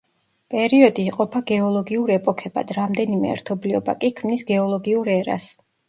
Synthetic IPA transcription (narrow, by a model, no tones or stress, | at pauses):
pʼɛɾiɔd̪iːqʼɔpʰaɡɛɔlˠɔɡiuɾɛpʼɔkʰɛba̰d̪ɾamd̪ɛnimɛ̰ɛ̰ɾt̪ʰɔbliɔba̰kʼikʰmnisɡɛɔlˠɔɡiuɾɛɾa̰s